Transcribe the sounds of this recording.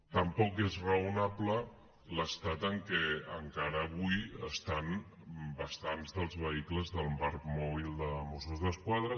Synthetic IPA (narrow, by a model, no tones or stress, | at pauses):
t̪əmpɔkezrəunaβlə | ləst̪at̪əŋkeəŋkaɾəːβujə̰st̪an | bəst̪anzðəlˠzβəikləzðəlˠpaɾkmɔβ̞ilˠd̪əmosuzðəskwaðɾə